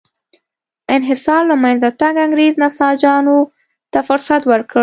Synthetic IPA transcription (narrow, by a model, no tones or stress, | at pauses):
ɪnɦɪsɑɾlamajnzat̪aŋɡaŋɡɾeznasɑd͡ʒɑno | t̪afʊɾsat̪wəɾkə